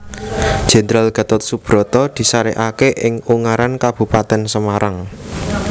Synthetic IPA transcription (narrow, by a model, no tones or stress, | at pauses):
d̥ʒ̥e̤nd̪ɾalɡ̥ä̤t̪ʊt̪̚sub̥ɾɔ̤t̪ɔd̪̥i̤saɾeʔakeʔɪŋuŋaɾankab̥ṳpat̪ɛnsəmaɾaŋ